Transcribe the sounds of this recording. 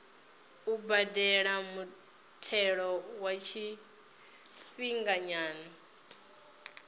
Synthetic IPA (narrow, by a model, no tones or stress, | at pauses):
ubadɛɺamu | tʰɛɺɔwat͡ʃʰi | fiŋɡaɲaːnɔ